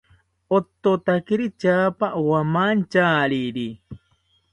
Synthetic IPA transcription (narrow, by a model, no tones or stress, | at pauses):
ot̪ːot̪akiɾit͡ʃaːpaʔwamant͡ʃaːɾiɾi